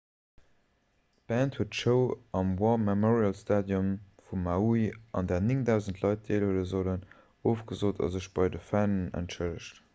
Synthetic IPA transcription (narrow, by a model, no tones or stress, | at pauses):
tb̥æːnthuətʃəʊɑmwɔmɛmɔʁiɑlstaːdjɔmfumːauiʔɑ̰ndɛːɐniŋdæˑʊzəntʰlɑɪt̚d̥eːlhələzolən | oːfɡ̥əzoːtɑ̰zəʃb̥ɑɪdəfænənæ̰ntʃələʃt